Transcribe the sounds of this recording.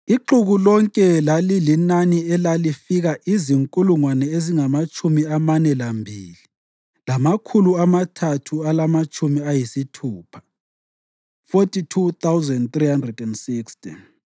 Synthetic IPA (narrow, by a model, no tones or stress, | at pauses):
iǃuɣulɔŋkʼɛlalilinaniɛlalifiɣaʔiziŋkʼuluŋwanɛeziŋamat͡ʃʼumiamanɛlambʱiːli | lamakʰuluamatʰatʰualamat͡ʃʼumiajisitʰuːpʰḁ | fotʰʼitʰut̪awzɛndt̪rihandrɛdɛndsiksti